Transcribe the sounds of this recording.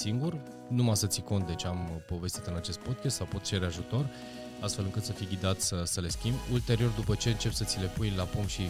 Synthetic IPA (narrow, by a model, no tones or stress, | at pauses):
siŋɡur | numasət̪siko̞nt̪d̪e̞t͡ʃʲampo̞ve̞st̪it̪ɨnat͡ʃe̞st̪̚po̞d̪̚kʲast̪sawpo̞t̪̚t͡ʃe̞ɾeaʒut̪o̞r | ast̪fe̞lɨŋkɨt̪səfijɡʲid̪at̪ʲsəsəle̞skʲimbult̪e̞ɾio̞rd̪upət͡ʃe̞ɨnt͡ʃe̞psət̪sile̞pujlapumʃi